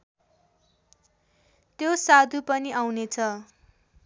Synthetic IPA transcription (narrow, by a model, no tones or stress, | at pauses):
t̪josad̪ʱupʌniʔawnet͡sʰʌ